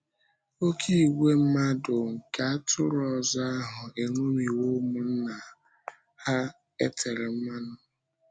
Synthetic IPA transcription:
o˦kʰi˦˨ɡe˦m̩˦ma˦dʊ˨ŋ̩˨ka˨a˦tʰʊ˦ɾɔ˨za˦a˦ɦʊ˨e˨ŋo˦mi˨wo˦mʊ˨n̩˦na˨ | ha˦ | ḛ˦tʰe˨ɾɪ˨˦ma˦nʊ˨

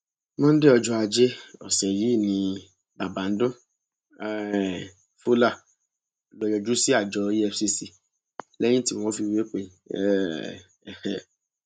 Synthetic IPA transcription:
mɔ̃˦n̩˦de˦ɔ˧d͡ʒɔ˧a˧d͡ʒe˦ɔ̰˨sɛ˨ji˨˦˨nĩ˧ | ba˨ba˨n̩˦dõ˦˨ | fu˦la˦˨ | lɔ˧jɔ˧d͡ʒu˦si˦a˦˨d͡ʒɔ˧i˦ɛ˧fsi˧si˧ | lɛ̃˦ĩ˦ti˧˨w̃ɔ̃˧˦fi˧we˦k͡pe˧nĩ˨ɛ̰˦˨ | ɛ̃˨

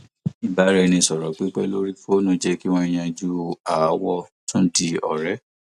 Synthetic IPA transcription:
i˨ba˨˦ɾɛ˧nĩ˧˨sɔ˨ɾɔ˨k͡pi˦k͡pɛ˦lo˦ɾi˦fo˦nũ˦d͡ʒɛ˦ki˦w̃ɔ̃˧i˧j̃ã˧d͡ʒu˦a˨˦wɔ˦tũ˦n̩˦ti˧ɔ˨ɾɛ˨˦

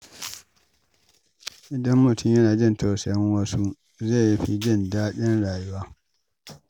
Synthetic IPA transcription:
ʔɪ˨dɐ˦mːʊ˨tʰʊ˦mjɐ˦naː˨d͡ʒɪ˦ntʰoː˨sɛ˨jɐ˦ŋwɐ˦su˦ | ze˦˨ji˦ɸi˦d͡ʒɪ˦˨ndaː˦ɗɪ˦nɽaː˨ju˦waː˦

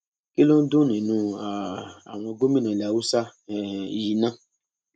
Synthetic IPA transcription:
ki˦lo˦n̩˦dũ˦nĩ˨nũ˨˧a˨a˨w̃ɔ̃˧ɡo˦mĩ˦nã˨lɛ˧˨a˨wu˦sa˦˨i˨ji˧nã˦

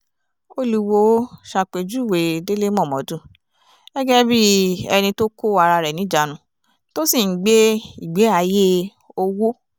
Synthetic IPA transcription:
o˦lu˧wo˧˦ʃa˧˨k͡pe˨d͡ʒu˦˨we˨de˦le˦mɔ̃˦˨mɔ̃˨˦dũ˦˨ | ɛ˦ɡɛ˦bi˦ɛ̰˧nĩ˧to˦ko˦˨a˧ɾa˧ɾɛ˨nĩ˨˦d͡ʒa˨˦nũ˨ | to˦si˦˨˦ɡ͡be˦i˦˨ɡ͡be˨˦a˨je˦ | o˧wo˦

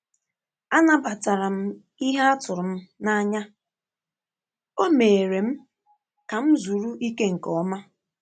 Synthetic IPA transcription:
a˦na˦ba˨ta˨ɾa˨m̩˦ | i˦ɦa˦a˦tʊ˨ɾʊ˨m̩˦na˦ɲa˦ | o˦me˨ɾe˨m̩˦ | ka˨m̩˦zu˨ɾu˦ʔi˦ke˦ŋ̩˨kɔ˨˦ma˦

